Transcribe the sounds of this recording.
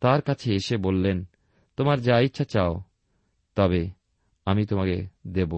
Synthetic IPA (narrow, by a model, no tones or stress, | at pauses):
t̪aɾkat͡ɕʰeeʃebolːen | t̪omaɾd͡ʑait̪ːʃʰat͡ɕao | t̪ɔbe | amit̪omaked̪ebo